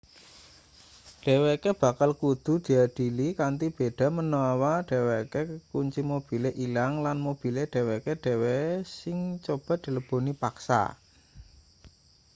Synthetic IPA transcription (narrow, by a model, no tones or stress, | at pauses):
ɖ̥e̤wekeb̥a̤kalkud̪̥ṳd̪̥i̤ad̥i̤likant̪ib̥e̤ɖ̥a̤mənoawaɖ̥e̤wekekuɲt͡ʃimob̥i̤leʔilaŋlanmob̥i̤leɖ̥e̤wekeɖ̥e̤wesɪŋt͡ʃob̥ä̤ʔd̪̥i̤ləb̥o̤nipaksa̰